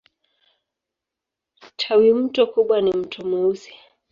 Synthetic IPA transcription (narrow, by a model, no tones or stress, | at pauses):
tʰawim̩tɔkuɓwanim̩tʰɔmuusi̥